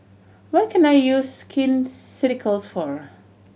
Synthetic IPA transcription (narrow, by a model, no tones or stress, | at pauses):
wɔt̚kʰɛ̃najjuzskʰɪ̃nsɪɾɪkʰəlsfɔɹ